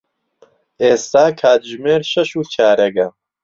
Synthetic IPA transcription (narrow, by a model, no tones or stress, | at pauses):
eːst̪aːkʰaːt̪ʒmeːɾʃɐʃuːt͡ʃʰaːɾɐɡɐ